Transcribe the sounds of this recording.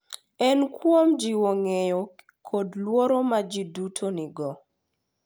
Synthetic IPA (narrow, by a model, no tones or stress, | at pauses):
ɛnkwomd͡ʒiwoŋejɔ | kʰodlwoɾomad͡ʒidutʰonɪɡɔ